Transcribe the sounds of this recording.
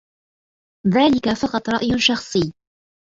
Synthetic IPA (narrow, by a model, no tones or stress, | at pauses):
ðaːlɪkafɑqɑt̪ˤɾˤɑʔjʊʃɑxsˤɨː